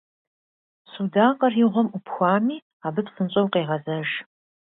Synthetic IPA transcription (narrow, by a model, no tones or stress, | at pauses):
sudaːqɐriʁʷɔmupxʷaːmiː | aːbɨpsənɕʼɐwqeːʁɐzɐʒ